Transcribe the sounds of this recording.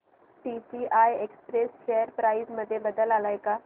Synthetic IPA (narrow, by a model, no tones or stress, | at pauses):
ʈisiʔajekspɾesʃejəɾpɾaizməd̪ʱːjebəd̪əlalajka